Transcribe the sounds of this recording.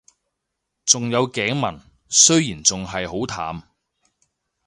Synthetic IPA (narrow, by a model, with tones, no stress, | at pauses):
t͡sʊ˨ŋjɐ˨˧wkɛː˨˥ŋmɐ̰˨˩n | sɵ˥ɥjiː˨˩nt͡sʊ˨ŋɦɐ˨jho˨˥wt̪ʰa̰ː˨˥m